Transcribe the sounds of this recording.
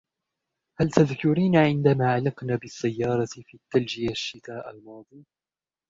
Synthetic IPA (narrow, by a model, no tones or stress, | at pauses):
halt̪aðkʊɾiːnaʕɪnd̪amaːʕalɪqnaːbɪsːajːɑːɾˤɑfiːt̪ːald͡ʒɪjaʃːɪt̪aːʔa̰lmɑːd̪ˤij